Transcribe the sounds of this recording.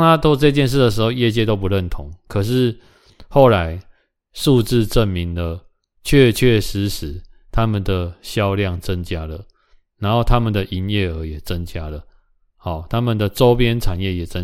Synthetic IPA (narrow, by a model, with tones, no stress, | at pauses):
ŋt̪ʰa˥t̪wɔ˥t͡sɤ˥˧i˧t͡ɕjɛ˥˧nʂ̬̩˥˩d̪ə˩ʂ̬ɻ̩˧˥xo˥˧ʊjɛ˥˧t͡ɕjɛ˥˧t̪o˥ʊp̬u˧˦ɻə˥˨˩nt̪ʰʊ˨˦ŋkʰə˨˩ʂ̬ɻ̩˥˧ | xo˥˩ʊla˨˦ɪ | ʂu˥˧t͡sɹ̩˥˧ʈ͡ʂə˥˩nmi˨˦nd̪ə˨ | t͡ɕʰɥɛ˥˩t͡ɕʰɥɛ˥˨ʂɻ̩˧˦ʂɻ̩˨˩˦ | t̪ʰa˦mə˨nd̪ə˩ɕjɑ˥˧ʊljɑ˥˨ŋt͡sə˦nt͡ɕja˦lə˨ | na˧˦nxo˥˩ʊt̪ʰa˦mə˨nd̪ə˩ʔi˧˥njɛ˥˩ə˧˦jɛ˨˩t͡sə˦nt͡ɕja˦lə˨ | ha˨˩t̪ʰa˦mə˨nd̪ə˩ʈ͡ʂo˦˥ʊpjɛ˦nʈ͡ʂʰa˨˩njɛ˥˩jɛ˨˩t͡sə˦